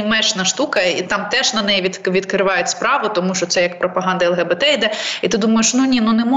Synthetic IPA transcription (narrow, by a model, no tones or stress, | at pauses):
mɛt͡ʃnɐʃt̪ukɐit̪ɑmt̪ɛʒnɐnɛjiʋʲiʋʲid̪kɾɪʋɑjʊtʲspɾɑʋʊt̪ɔmuʃt͡ʃɔt̪sɛjɐkpɾɔpɐɦɑnd̪ɐɛlˠɣɛbɛt̪ɛid̪ɛit̪ɪd̪umɐjeʃnunʲinunɛmɔ